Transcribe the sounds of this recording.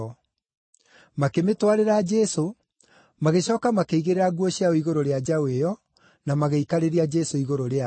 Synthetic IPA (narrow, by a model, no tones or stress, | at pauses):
makemetwaɾeɾad͡ʒɛso | maɣeɕɔːkamakeiɣeɾeɾaɣuɔɕiaoiɣoɾoɾead͡ʒawejɔ | namaɣeikaɾeɾiad͡ʒɛsoiɣoɾoɾea